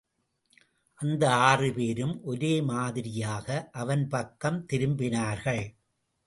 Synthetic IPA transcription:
ʔɐnd̪ɐaːrɯpeːɾɯmʔɔɾeːmaːðɪɾɪjaːɣɐʔɐʋɐnpɐkːɐmt̪ɪɾɯmbɪnaːɾɣɐɭ

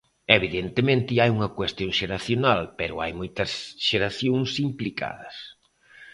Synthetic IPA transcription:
eβiðent̪emẽnt̪ɪajuŋɐkwest̪joŋʃeɾaθjonalpɛɾʊajmojt̪ɐsʃeɾaθjõŋsimplika̰ðɐs

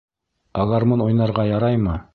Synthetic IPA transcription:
ɑlˠɑɾmɤnujnɑɾʁɑjɑɾɑjmɤ

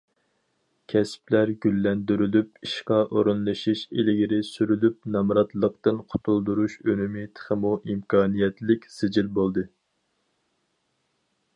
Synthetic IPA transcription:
kʲʰɛsplæɾɡʲylːɛnd̪yɾylypiʃqɑʔoɾunlˠɨʃiʃelɪɡʲiɾɪsyɾylyp̚nɑmɾɑt̪lˠəq̚t̪ɨnqʰʊ̥t̪ʰulˠd̪uɾuʃømumit̪ʰə̥χəmuʔimkʰɑːnijɛt̪lɪkʲsɪd͡ʒilbolˠd̪ɨ

